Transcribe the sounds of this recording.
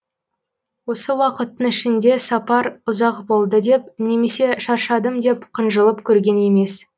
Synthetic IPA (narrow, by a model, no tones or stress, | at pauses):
wo̞səwɑqət̪ːəŋɪʃɪnd̪e̞sɑpɑɾʊzɑqbo̞lˠd̪əd̪e̞p̚ne̞me̞se̞ʃɑɾʃɑd̪əmd̪e̞pqʰənʒəlˠəpkʲʰɵɾɡʲe̞ne̞me̞s